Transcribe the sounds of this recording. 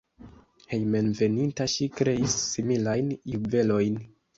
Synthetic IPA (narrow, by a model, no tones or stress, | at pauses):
he̞jme̞nve̞nintaʃikɾe̞isːimilajnuve̞lo̞jn